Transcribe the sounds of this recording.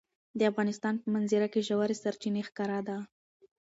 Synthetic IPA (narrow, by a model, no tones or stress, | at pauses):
d̪əafɣɑnɪst̪ɑnpəmanziɾakeʒawaɾesaɾt͡ʃinexkɑɾad̪a